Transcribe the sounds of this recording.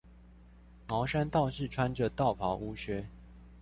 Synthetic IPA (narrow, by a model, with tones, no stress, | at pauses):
mɑ˨˦ʊʂa˦nt̪ɑ˥˨ʊʂɻ̩˥˨ʈ͡ʂʰwa˦nʈ͡ʂə˨˦t̪ɑ˥˨ʊpʰɑ˨˥ʊʔu˦ɕɥɛ˧˥